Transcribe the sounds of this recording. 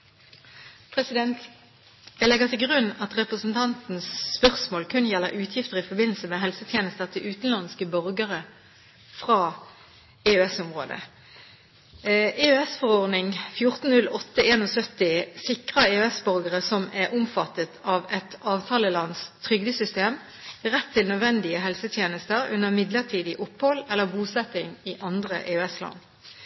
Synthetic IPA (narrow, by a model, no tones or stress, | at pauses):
pʰʁɛsɪd̪ɛnt̪ | d̪ɛlɛɡəʁt̪ʰɪlɡʁʉnːɑt̪ʁɛpʁəsn̩t̪ʰɑnt̪n̩sːpœʁsmoːlkʰʉnəjɛlːəʁʔʉːt̪ʰjɪft̪əʁɪfɔbɪnl̩səmɛːɦɛlsət̪ʰjeːnəst̪ɑt̪ʰɪʉːt̪n̩lɑnskəbœʁɡəʁə | fʁɑː | eøɛsʊmʁo̰ːd̪ə̰ | eøɛsfɔʁɔʁd̪nɪŋfjʊʁt̪n̩nʉlɔt̪ːəeːnoːsœt̪ɪsɪkʁəeøɛsbœʁɡəʁəsɔmæʁʔʊmfɑt̪ːət̪ʰɑːʋɛt̪ɑːʋt̪ʰɑːləlɑnst̪ʰʁʏɡd̪əsʏst̪eːm | ʁɛt̪ʰːɪlnœd̪ʋɛnd̪ɪəɦɛlsət̪ʰjeːnəst̪əʁʉ̰nəʁmɪd̪ləʁt̪ʰiːd̪ɪʔʊphɔlɛlːəʁbuːsɛt̪ɪŋɪʔɑnd̪ʁə̰ʔeøɛslɑ̰n